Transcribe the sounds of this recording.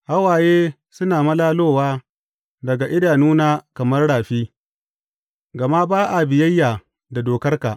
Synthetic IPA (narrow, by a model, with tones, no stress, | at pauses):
ha˦waː˨jeː˦ | sʊ˦naː˨mɐ˦laː˦loː˦waː˦ | dɐ˨ɡa˨ʔɪ˦daː˨nuː˦naː˦kɐ˨mɐ˦rɽaː˨ɸiː˦ | ɡɐ˨ma˦baː˦ʔa˨bɪ˨jɐ˦jːaː˨ | da˨doː˨kɐ˦rka˨ʔ